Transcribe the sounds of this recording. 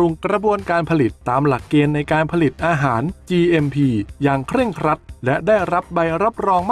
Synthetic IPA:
u˧ŋkɾa˧bu˧ənkaː˧npʰa˧li˨˩t̪ːaː˧mla˨˩kːeː˧nːa˧jkaː˧npʰa˧li˨˩t̪̚ʔaː˧ɦaː˩˦nt͡ɕiː˧ʔe˧mpʰiː˧jaː˧ŋkʰɾɯ˥˩əŋkʰɾa˦˥t̪̚lɛ˦˥daː˥˩jɾa˦˥p̚ba˧jɾa˦˥p̚ɾɔː˧ŋm˥

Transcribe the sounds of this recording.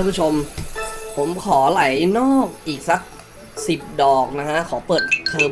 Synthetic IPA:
ɯ˧pʰu˥t͡ɕʰo˧mpʰo˩˦mkʰɔː˩˦la˩˦jnɔː˥˩k̚ʔiː˨˩k̚sa˨˦˥k̚ | si˨˩p̚dɔː˨˩k̚na˦˥kʰa˦˥kʰɔː˩˦pɤː˨˩t̪̚t̪ʰɤː˧

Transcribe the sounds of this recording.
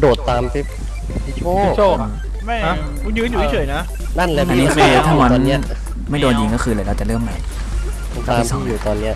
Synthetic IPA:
doː˨˩t̪ːaː˧msʰi˦˥˩p̚ʰ | o˥˩t͡ɕoː˥˩˧ | m˩˦˥ | kʰu˧njɯː˦˥nju˨˩i˦˥˩t͡ɕʰɤː˨˩˦jna˦˥ | na˥˩nleː˧ʔa˧˨nːiː˦˧˥kʰɯː˧t̪ʰaː˥˩˨ma˧ɔ˧i˦˥ɐ | ma˥˩jdoː˧nji˧ŋkɔ˥˩xʰɯː˧lɤː˧lɛː˦˥˩t͡ɕa˨˩lɯː˥˩əmːa˦˩j | kaː˥˩˥sɔː˥˩˦juː˨˩t̪ɔː˧nːi˦˥ɐ

